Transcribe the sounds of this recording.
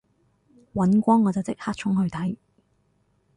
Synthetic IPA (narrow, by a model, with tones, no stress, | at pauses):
wɐ˨˥nkʷɔː˥ŋːɔː˨˧t͡sɐ˨˩wt͡sɪ˥k̚haː˥t̚t͡ʃʰʊ˥ŋhɵ˧ɥt̪ʰɐ˨˥j